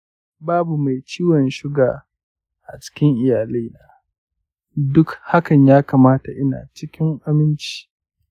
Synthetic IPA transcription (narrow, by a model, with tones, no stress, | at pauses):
baː˦bu˨ma˨jt͡ʃiː˦wɔ˨nʃɪ˦ɡaː˨ | ʔa˨t͡ʃɪ̥˦kʲɪ˦ŋʔɪ˨jaː˨le˦naː˦ | dʊ˦kha˦kɐ˨ɲjaː˦kaː˨maː˦ta˨ʔɪ˦na̰ː˨t͡ʃɪ˦kʲɪ˦ŋʔa˦mɪ˦nt͡ʃi̥ː˦